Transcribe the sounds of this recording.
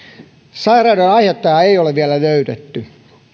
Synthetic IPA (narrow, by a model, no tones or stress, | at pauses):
sɑirɑːdonɑihet̪ːɑjɑeioleʋʋiælæløyt̪et̪ːy